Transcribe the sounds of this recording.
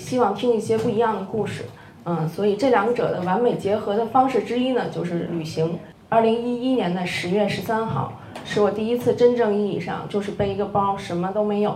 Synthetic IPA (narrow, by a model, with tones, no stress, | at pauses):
ɕi˥wɑ˥˩ŋt̪ʰi˥ŋi˥˩ɕjɛ˥pu˥˩i˧˥jɑ˥˩ŋd̪ə˩ku˥˩ʂɻ̩˥˩ | ə˧swɔ˧˥i˨˩ʈ͡ʂɤ˥˩ljɑ˧˥ŋɡʈ͡ʂɤ̰˨˩d̪ə˦wa˧˥nme˨˩ɪt͡ɕjɛ˧˥xɤ˧˥d̪ə˧fɑ˥ŋʂɻ̩˥˩ʈ͡ʂɻ̩˥i˥nə˨t͡ɕjo˥˧ʊʂɻ̩˥˩ly˨˩ɕi˧˥ŋ | ɐ˞˥˩li˧˥ŋi˥i˥njɛ˧˥nd̪ə˧ʂɻ̩˧˥ɥɛ˥˩ʂɻ̩˧˥sa˥nxɑ̰˥˩ʊ | ʂɻ̩˥˩wɔ˨˩t̪i˥˩i˥t͡sʰɹ̩˥˩ʈ͡ʂə˥nʈ͡ʂɤ˥˧ŋi˥˧i˥˧˩ʂɑ̰˥˧ŋt͡ɕjo˥˧ʊʂɻ̩˥˧pe˥˩ɪi˧˥ɡə˧pɑ˥ʊʂə˧˥nmə˧t̪o˥ʊme˧˥ɪjo˨˩˦